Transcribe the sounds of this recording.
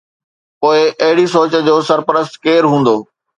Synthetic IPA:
poːɪʔɐɦɪɽisoːt͡ɕə̆d͡ʑoːsɐɾpəɾəst̪keːɾɦũːn̆d̪oː

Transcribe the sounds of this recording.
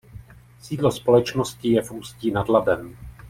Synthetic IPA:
siːdlospo̞lɛt͡ʃnoscɪjɛfuːsciːnadlabɛm

